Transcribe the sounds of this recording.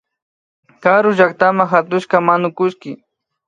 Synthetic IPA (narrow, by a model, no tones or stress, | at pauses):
kaɾʊʒak̚t̪amaxat̪ʊʃkamanʊkʊʃkɪ